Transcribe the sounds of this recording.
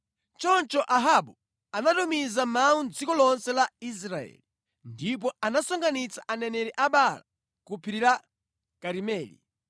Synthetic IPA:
t͡ʃɔnt͡ʃɔʔaɦaɓu | anatumizamaund͡zikɔlɔnsɛlais̬ɾaɛ̰li | ndip̬ɔanasɔŋɡanit͡saʔanɛnɛɾɛʔaɓala̰ | kupʰiɾiɾa | kaɾimɛːlḭ

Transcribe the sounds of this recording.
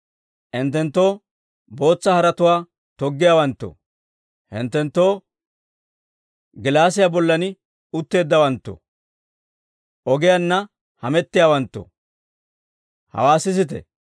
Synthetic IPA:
ʔɪnt̪ːɛnt̪ːo̞ː | bo̞ːt͡sːɐhɐɾɐt̪ʊwaː | t̪ɔɡːɪjaːwɐnt̪ːo̰ | hɪ̰nt̪ːɛnt̪ːo̞ː | ɡɪlaːs̬ɪjabɔlːɐnɪ | ʊt̪ːe̞ːd̪ːɐwɐnt̪ːo̰ | ɔɡɪjanːɐ | hɐmɛt̪ːɪjaːwɐnt̪ːɔ̰ | hɐ̰waːsɪsɪt̪ɛ̰

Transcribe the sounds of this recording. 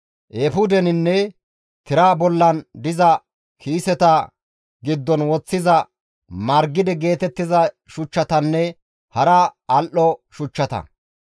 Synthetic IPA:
ʔefʊd̪ɛnɪnːɛ | t̪ɪɾaːbɔlːɐnd̪ɪzɐ | kʰiːsɛt̪ɐ | ɡɪd̪ːɔnwɔt͡sːɪzɐ | mɐɾɡɪd̪ɛɡe̞ːt̪ɛt̪ːɪzɐ | ʃʊt͡ʃːɐt̪ɐnːɛ | hɐɾɐɐlʔɔʃʊt͡ʃːɐt̪ɐ̰

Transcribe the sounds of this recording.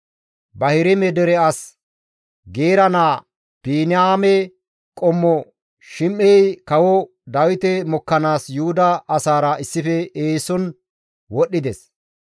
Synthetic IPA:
bɐhɪɾɪmɛd̪ɛɾɛɐs | ɡe̞ːɾɐnaː | piːnɪaːmɛ | kʼɔmːɔ | ʃɪmːɛjkɐwɔ | d̪ɐwɪt̪ɛmɔkːɐnaːsjʊhʊd̪ɐʔːsaːɾɐɪsːɪfɛeːsɔn | wɔɗːɪd̪ɛs

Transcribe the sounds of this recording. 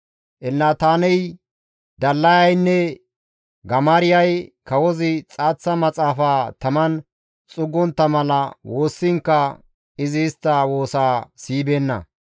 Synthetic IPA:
ʔɛlnaːt̪aːnɛj | d̪ɐlːɐjɐjnːɛ | ɡɐmaːɾɪjɐjkɐwɔzɪt͡sʼaːt͡sːɐmɐt͡sʼaːfaːt̪ɐmɐn | t͡sʼʊɡːɔnt̪ːɐmɐlɐwo̞ːsːɪŋkːɐ | ɪzɪːst̪ːawo̞ːsaːsiːbenːɐ̰

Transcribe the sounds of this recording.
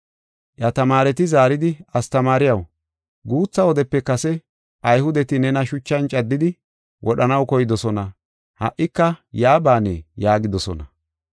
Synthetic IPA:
jɐt̪ɐmaːɾɛt̪ɪzaːɾɪd̪ɪɐst̪ɐmaːɾɪjɐw | ɡuːt͡sːɐwɔd̪ɛpːɛkɐsɛ | ʔɐjhʊd̪ɛt̪ɪnɛnɐʃʊt͡ʃːɐnt͡ʃʼɐd̪ːɪd̪ɪ | wʔɔɗɐnɐwkɔjɪd̪ɔsɔnɐ | hɐ̰ʔːɪkːɐjaːbaːnɛ̰jaːɡɪd̪ɔsɔ̰nɐ̰

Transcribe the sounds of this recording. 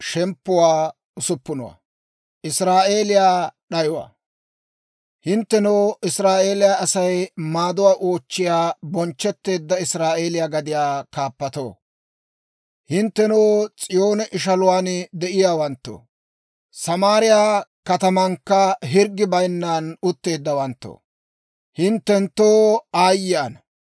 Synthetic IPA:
ʃɛmpːʊwaː | ʊsʊpːʊnɔ̰wa̰ | ʔɪsɾaːʔe̞ːlɪjaːɗɐjwa̰ | hɪnt̪ːɛnoːʔɪsɾaːʔe̞ːlɪjaːɐsɐjmaːd̪ʊwaːʔoːt͡ʃːɪjaːbɔnt͡ʃːɛt̪ːe̞ːd̪ːɐɪsɾaːʔe̞ːlɪjaːɡɐd̪ɪjaːkaːpːɐt̪o̰ː | hɪnt̪ːɛnoːt͡sʼɪjo̞ːnɛʔɪʃ̬ɐlʊwaːnd̪ɛʔɪjaːwɐnt̪ːo̰ː | sɐmaːɾɪjaːkɐt̪ɐmɐŋkːɐɦɪɾɡːɪbɐjnːaːnʊt̪ːe̞ːd̪ːɐwɐnt̪ːo̰ː | hɪnt̪ːɛnt̪ːoːaːjɪaːn

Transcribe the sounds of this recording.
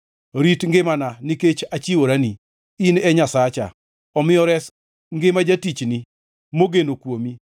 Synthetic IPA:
ɾitŋɡɪmananiket͡ʃat͡ʃiwoɾani | inɛɲasat͡ʃa̰ | ɔmɪjɔɾɛs | ŋɡɪmad͡ʒatit͡ʃni | moɡenokwomi

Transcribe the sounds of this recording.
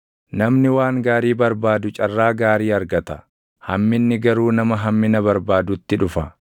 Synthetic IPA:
nɐmnɪwaːŋɡaːɾiːbɐɾbaːd̪ʊt͡ʃʼɐrːaːɡaːɾiːɐɾɡɐt̪ɐ̥ | hɐ̰mːɪnːɪɡɐɾuːnɐmɐɦɐmːɪnɐbɐɾbaːd̪ʊt̪ːɪᶑʊfɐ

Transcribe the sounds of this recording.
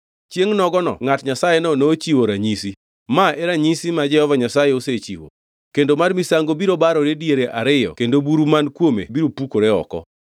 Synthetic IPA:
t͡ʃjeŋnɔɡɔnɔ̰ŋatɲasajenɔnot͡ʃiwoɾaɲisi | maɛɾaɲisimad͡ʒɛhɔvaɲasajeoset͡ʃḭwo̰ | kendomarmisaŋɡobiɾobaɾɔɾedieɾeʔaɾɪjɔ̰kendobuɾumankwomḛbiɾopukoɾɛɔ̰kɔ̰

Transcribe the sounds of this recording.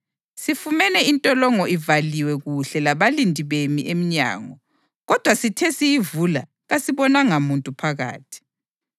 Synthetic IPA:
sifumɛnɛintʼɔlɔŋɔʔivaliwɛɣuɬɛlaβalindʱiβemiʔem̩ɲa̰ːŋɔ | ɣɔd̥ʱwasitʰɛsijivula̰ | ɣasiβɔnaŋamuntʼupʰaɣa̰ːtʰi̥

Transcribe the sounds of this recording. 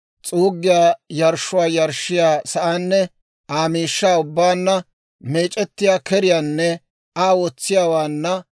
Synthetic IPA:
t͡sʼuːɡːɪjaːjɐɾʃːʊwaːjɐɾʃɪjaːsɐʔaːnːɛ | aːmiːʃːaːʊbːaːnːɐ | me̞ːt͡ʃʼɛt̪ːɪjaːkɛɾɪjaːnːɛ | aːwɔt͡sːɪjaːwaːnːɐ

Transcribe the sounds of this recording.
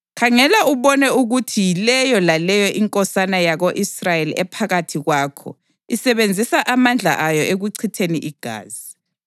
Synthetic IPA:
kʰaŋɛlauβɔnɛuɣutʰijilɛjɔlalɛjɔʔiŋkʼɔsanajaɣoʔisrajeliɛpʰaɣatʰiɣwaːkʰɔ̰ | isɛβend͡zʱisaʔamand͡ɮʱa̰ʔajɔʔeɣuǀʰitʰeniʔiɡ̥ʱa̰ːzi

